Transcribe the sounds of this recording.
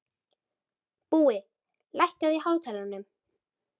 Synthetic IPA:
puːɪ | lajhcaðihaːwt̪ʰɛːlanːʏm

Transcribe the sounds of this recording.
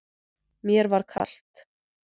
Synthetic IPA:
mjɛɾvaɾ̥kʰa̰l̥t̪

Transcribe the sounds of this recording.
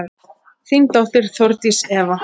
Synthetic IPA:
θint̪awht̪ɪɾ̥θɔɾt̪isɛːva

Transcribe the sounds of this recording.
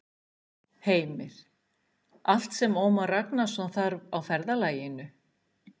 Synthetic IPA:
heːjmɪɾ̥ | al̥t̪sɛmɔːmaraknasaθaɾvawfɛɾðalaːjɪnʏ

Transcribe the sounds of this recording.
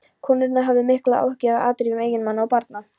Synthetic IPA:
kʰɔːnːɪɾt̪naɦavðɪmɪhklaa̰whcɪɾaʔa̰ːt̪ɾiːvʏmeːjɪnmanːaawpaɾt̪̚na

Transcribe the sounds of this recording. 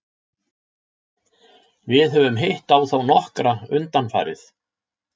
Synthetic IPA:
vɪðɦœvʏmɦejht̪awθawnɔhkɾaʏnt̪anfa̰ːjɾɪ̰θ

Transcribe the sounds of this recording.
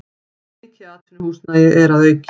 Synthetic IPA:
cɪaːt̪ɪnhuːsnajɛɣɛɾaðveːjc

